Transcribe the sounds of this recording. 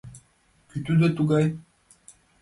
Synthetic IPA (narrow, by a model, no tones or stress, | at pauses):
kyt̪yd̪ət̪uɡaj